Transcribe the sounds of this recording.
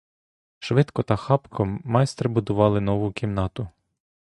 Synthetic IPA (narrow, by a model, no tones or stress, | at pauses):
ʃʋɪt̪kɔt̪ɐxɑpkʰɔːɑjst̪ɾɪbʊd̪ʊʋɑlˠɪnɔʋʊkʰʲimnɑt̪ʊ